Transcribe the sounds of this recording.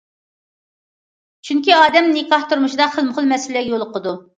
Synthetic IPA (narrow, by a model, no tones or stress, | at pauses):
t͡ʃʰyŋkʲiɑːd̪ɛmnɨkɑht̪uɾmʊʃid̪ɑχəlˠməχəlˠmɛsɪlɛjolˠʊqəd̪u